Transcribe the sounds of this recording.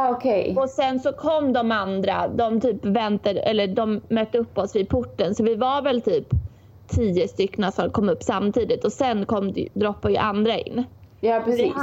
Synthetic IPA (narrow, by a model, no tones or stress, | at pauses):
ɔkʰejɔsɛnsɔkʰɔmːd̪ɔmand̪ɾa̰d̪ɔmt̪ʰyːpvɛnt̪aɾɛ̰lːəɖɔmːœt̪ːəɵpːɔsvɪpʰʊʈːənsɔvɪvaɾvɛlt̪ʰyːp | t̪ʰiːəst̪ʏkːnasɔkʰɔmːɵpːsamːt̪ʰiːd̪ɪt̪ɔsɛnkʰɔmːd̪d̪ɾɔpːajə̰ʔand̪ɾaɪ̰nːjɑːpɾsiː